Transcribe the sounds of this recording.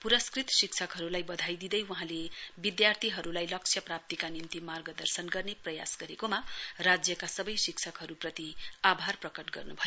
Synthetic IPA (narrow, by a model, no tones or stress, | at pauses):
puɾʌskrit̪siksʰʌkɦʌɾulajbʌd̪ʱajd̪id̪ʌjwuɦãlebid̪jart̪ʰiɦʌɾulajlʌk̚t͡ʃʰjʌprap̚t̪ikanint̪imarɡʌd̪ʌrsʌnɡʌrneprʌja̰sɡʌɾekomarad͡zjʌkasʌbʌjsiksʰʌkɦʌɾuprʌt̪iabʱarprʌkʌʈɡʌrnubʱʌjo